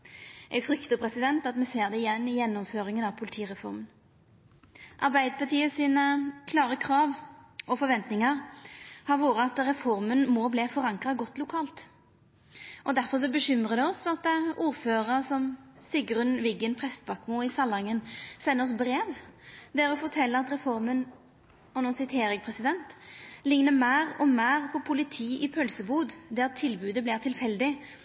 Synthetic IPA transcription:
ʔɛɪfɾʏkt̪əpʰʁɛsɪd̪ɛnt̪ɑt̪mɛseːʁd̪ɛɪjɛnːɪjɛnːɔmføːɾɪŋənɑʋpʰʊlɪt̪ʰiːʁɛfɔ̰ɾmən | ʔɑʁbæɪd̪əpɑt̪ʰiːəsiːnəkʰlɑːʁəkʰʁɑːʋɔfɔɾʋɛnt̪nɪŋəʁhɑɾʋuːʁəɑt̪ʁɛfɔɾmənmɔbleːfɔɾɑŋkʁɑɡɔt̪ːlʊkʰɑːlt̪ | ʔɔd̪æɾfɔʁʂ̬ɔbəɕʏmʁəd̪ɛɔsɑt̪ːʔuːʁføːʁəsɔmsɪɡʁʉnʋɪɡənpʰʁɛst̪bɑkmuːɪsɑlɑŋːənsɛnːəɔsbɾeːʋd̪ɛʁɾʉfɔt̪ʰɛlːəʁɑt̪ʁɛfɔʁmən | ɔnuːsɪt̪heːɾɪŋpʰʁɛsɪd̪ɛnt̪lɪŋnəmæːʁɔmæːʁpʰɔpʰʊlɪt̪ʰiːʔɪpʰœlsəbuːd̪d̪æʁt̪ʰɪlbʉːd̪əblɪːʁt̪ʰɪlfɛld̪ɪ

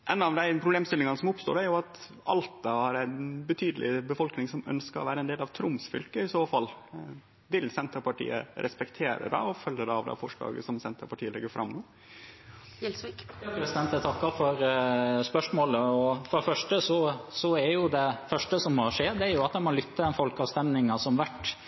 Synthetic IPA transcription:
ʔɛnːɑʋd̪æɪpʰɾʊbleːmst̪ɪlɪŋɑnəsɔmʊpst̪o̰ːɾæɾjʊɑt̪ | ɑ̰lt̪ɑhɑɾæɪnbət̪ʰyːd̪əlʔɪ̰bəfɔlknɪŋsɔmœ̰nskəɾɔ̰ʋæːɾəɛnd̪eːlɑʋt̪ʰɾʊmsfʏlkəɪsoːfɑlː | ʋɪlsɛnt̪əpɑʈḭːə̰ɾʔɛspɛkt̪ʰeːɾə̰d̪ɑ̰ɔfœlːəd̪ɛɑʋd̪ɛ̰fɔʂɭɑ̰ːɡə̰sɔmsɛnt̪əpɑʈʰiːəlɛɡːəɾfɾɑ̰mːnoː | lsikjɑkɾɛsɪd̪ɛnt̪ət̪ʰɑkːɑfɔɾspœʂmoːləɔfɔɖɛfœʂʈəsɔsɔæɾjʊd̪ɛfœʂʈəsɔmːoʂeːd̪ɛæɾjʊɑt̪̚d̪ɛmɔlʏt̪ʰːəd̪ɛnfɔlkɑʋst̪ɛmnɪŋɑsɔmʋæʈː

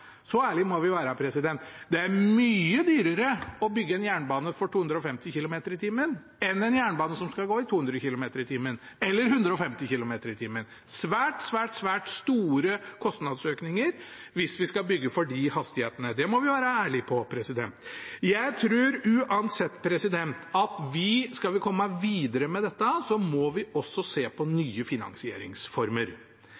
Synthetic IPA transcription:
sɔæːɭɪmɔʋɪʋæːɾəpʰɾɛsɪd̪ɛnt̪d̪ɛæmyːəd̪yːɾəɾəɔbʏɡːəɛnjæːɳbɑːnəfɔʈʰuːhʉnd̪ɾɔfɛmt̪ɪçɪlʊmeːt̪əɾɪt̪ʰiːmən | ɛnɛnjæːɳbɑːnəsɔmskɑlɡoːɪt̪ʰuːhʉnd̪ɾəçɪlʊmeːt̪əɾɪt̪ʰiːmən | ɛlːəɾɦʉnd̪ɾəɔfɛmt̪ɪçɪlʊmeːt̪əɾɪt̪ʰiːmən | sʋæːʈsʋæːʈsʋæːʈst̪uːɾəkʰɔst̪nɑd̪søːknɪŋəɾʋɪsʋɪskɑbʏɡːəfɔɖɪhɑst̪ɪheːt̪ənəd̪ɛmɔʋɪʋæːɾəæːɭɪpʰɔpʰɾɛsɪd̪ɛnt̪jæɪt̪ʰɾʉːɾʉːʔɑnsɛt̪ːpʰɾɛsɪd̪ɛnt̪ɑt̪ʋɪskɑlʋɪkʰɔmːəʋiːd̪əɾəmɛd̪ɛt̪ːəsɔmɔʋɪɔsːɔseːpʰɔnyːəfɪnɑ̰ŋsɪḛːɾɪ̰ŋsfɔɾməɾ

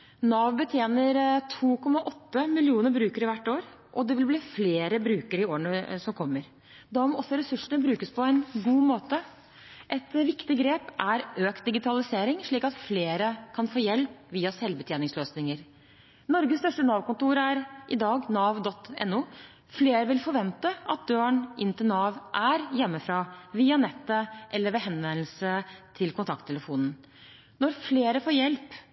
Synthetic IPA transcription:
nɑːʋbət̪ʰjeːnəɾt̪ʰuːkʰɔmːɑʔɔt̪ːəmɪlɪuːnəɾbɾʉːkəɾəʋæʈːoːɾ | ʔɔd̪ɛʋɪlbliːfleːɾəbɾʉːkəɾəɪoːəɳəsɔmkʰɔmːəɾ | d̪ɑmɔɔsːɔɾɛsʉʂəɳəbɾʉːkəspʰɔɛnɡuːmoːt̪ə | ʔɛt̪ʋɪkt̪ɪɡɾeːpʔæɾøːk̪̚d̪ɪɡɪt̪ʰɑlɪseːɾɪŋʂɭiːkɑt̪fleːɾəkʰɑnfoːjɛlpʋiːɑsɛlbət̪ʰjeːnɪŋsløːsnɪŋəɾ | nɔɾɡəst̪œʂʈənɑːʋkʊnt̪uːɾæɾʔɪd̪ɑːɡnɑːʋd̪ɔt̪ːɛ̰nːu | fleːɾəʋɪlfɔɾʋɛnt̪əʔɑt̪̚d̪øːəɳʔɪnt̪ɪlnɑːʋʔæɾjɛmːəfɾɑːʋiːɑnɛt̪ːəʔɛlːəɾʋɛɦɛnːəl̩sət̪ʰɪlkʰʊnt̪ʰɑk̚t̪ʰːɛləfuːnn̩ | nɔɾfleːɾəfoːjɛlp

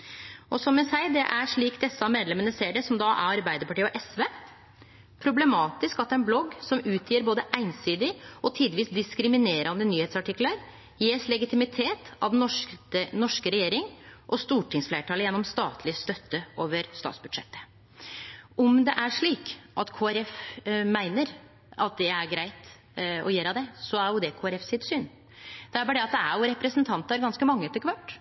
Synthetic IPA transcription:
ɔsɔmːɛnsæɪd̪ɛʔæɾʂɭiːkd̪ɛsːɑmeːd̪lɛmənəseːɖɛsɔmd̪ɑʔæ̰ɾɑɾbæɪd̪əɾpɑʈiːəɔʔɛsʋeː | pʰɾʊblɛmɑːt̪ɪskɑt̪d̪ɛæɪnblɔɡːsɔmʉːt̪ʰjiːəɾboːd̪əʔæɪnsiːd̪ɪɔt̪ʰiːd̪ʋiːsd̪ɪskɾɪmɪneːɾʔɑnd̪ənyːheːt̪sɑʈɪkːləɾ | jeːslɛɡɪt̪ɪmɪt̪ʰeːt̪ɑ̰ʋd̪n̩ɔnɔʂkəɾɛjeːɾɪŋʔɔst̪uːʈʰɪŋsflæɪʈʰɑːləjɛnːɔmst̪ɑːt̪ʰlɪst̪œt̪ːəʔoːʋəɾst̪ɑ̰ːt̪sbʉd̪ʂɛ̰t̪ːə̥ | ʔɔmd̪ɛʔæɾʂɭiːkʔɑt̪kʰoːæɾɛfmæɪnəɾ | ɑt̪̚d̪ɛæɾɡɾæɪt̪ | ɔ̰jeːɾɑd̪ɛsɔæɾjʊd̪ɛkʰoːæɾɛfsɪt̪syːn | d̪̥ɛæɾbɑːɖɛɑt̪̚d̪ɛæɾjʊɾɛpɾəsənt̪ʰɑnt̪ɑɾɡɑnskəmɑŋːət̪ɪkʋɑʈ

